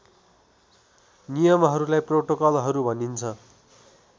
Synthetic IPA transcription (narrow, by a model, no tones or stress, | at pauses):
nijʌmɦʌɾulajproʈokʌlɦʌɾubʱʌnint͡sʰʌ